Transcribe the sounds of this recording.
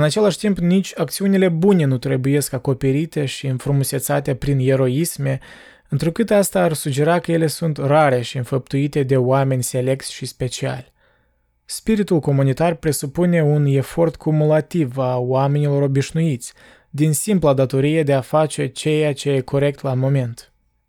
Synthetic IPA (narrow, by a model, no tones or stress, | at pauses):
ɨnat͡ʃe̞laʃʲt̪impnit͡ʃʲakt̪siunile̞bune̞nut̪ɾe̞buje̞skako̞pe̞ɾit̪e̞ʃiɨnfɾumuse̞t̪sat̪e̞pɾine̞ɾo̞isme̞ | ɨnt̪ɾukɨt̪ast̪aːrsud͡ʒe̞ɾakəje̞le̞sunt̪raɾe̞ʃiɨnfəp̚t̪uit̪e̞d̪e̞oame̞nʲse̞le̞k̚t̪sʲʃispe̞t͡ʃia̰lʲ | spiɾit̪ulko̞munit̪arpɾe̞supune̞une̞fo̞rt̪kʰumulat̪ivawame̞nilo̞ɾo̞biʃnuit̪sʲ | d̪insimplad̪at̪o̞ɾije̞d̪e̞afat͡ʃe̞t͡ʃe̞jat͡ʃe̞jekʰo̞ɾe̞k̚t̪lamo̞me̞nt̪